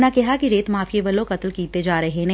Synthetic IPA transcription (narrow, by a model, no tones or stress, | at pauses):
nakɛɦakiɾeːt̪maːfʰieʋɐlõkɐt̪lkiːt̪ed͡ʒaːɾɐɦenɐ